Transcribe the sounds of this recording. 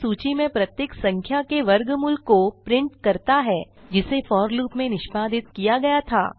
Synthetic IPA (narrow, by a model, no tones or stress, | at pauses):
suːt͡ʃimẽpɾɐt̪jeksɐ̃ŋkʰjakeʋɐɾɡmʊlkːopɾɪ̃ɳʈkɐɾt̪aɦɛː | d͡ʒɪsefɔːɾluːpmẽnɪʃbaːd̪ʱɪt̪kijaɡɐjat̪ʰa̰ː